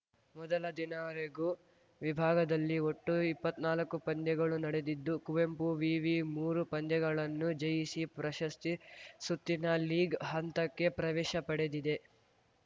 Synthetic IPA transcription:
mɔd̪ɐlɐd̪inɐɾeɡu | ʋibʱaːɡɐd̪ɐlːioʈːuipːɐt̪ːnaːlɐkːupɐnd̪jɛɡɐɭunɐɽe̞d̪id̪ːukuʋe̞mpuʋiːʋimuːɾupɐnd̪jɛɡɐɭɐnːud͡ʒɐjisipɾɐʃɐst̪isut̪ːinɐliːɡɦɐnt̪ɐkːe̞pɾɐʋɛːʃɐpɐɽed̪id̪e̞

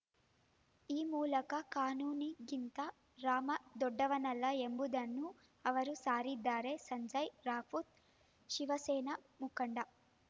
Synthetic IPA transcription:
iːmuːlɐkɐkaːnuːniɡint̪ɐ | ɾaːmɐd̪ɔɖːɐʋɐnɐlːɐembud̪ɐnːu | ɐʋɐɾusaːɾid̪ːaːɾeːsɐɲd͡ʒɐjɾaːfut̪̚ | ʃiʋɐsɛːnɐ | mukɐɳɖɐ

